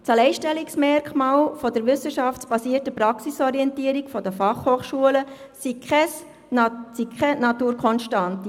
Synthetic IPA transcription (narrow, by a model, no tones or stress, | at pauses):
t͡sɑlɛɪʃtɛliksmɛɾkʰmɑːlfɔdəɾʋʏsəʃɑft͡sb̥ɑsiːərtəpɾɑksisɔɾiɛntiəɾikfɔdəfɑχhoːχʃuələ | sikʰχɛs | sikʰɛnɑtuːɾkʰɔnʃtɑnti